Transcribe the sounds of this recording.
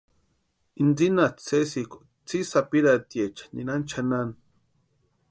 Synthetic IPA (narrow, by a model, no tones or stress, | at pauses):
ind͡zinat͡sesiko̥ | t͡sisapiɾat̪jet͡ʃḁnḭnant͡ʃʰanan